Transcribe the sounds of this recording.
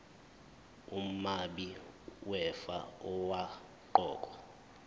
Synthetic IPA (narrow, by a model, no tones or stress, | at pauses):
umaɓiwɛfaɔwa | ǃɔːk̬ʼɔ